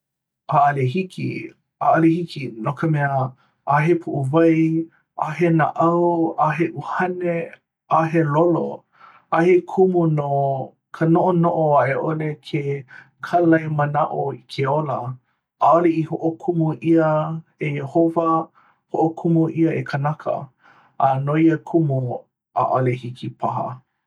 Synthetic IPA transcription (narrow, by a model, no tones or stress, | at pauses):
aɐleɦikḭ | aɐlehikinokəmɛə | aɦepʰuʔuvɐj | aɦenaʔɐwaɦeʔuhɐne | aɦelolo̰ | ahekʰumuno | kʰənoʔonoʔoaʔeʔolekʰe | kʰalɐjmənaʔoikʰeolɐ | aoleihoʔokʰumuʔiəeohovɐ | hoʔokʰumuʔiəekʰənakʰə̰ | ɐnoiəkʰumu | a̰ʔolehikipʰaɦɐ̰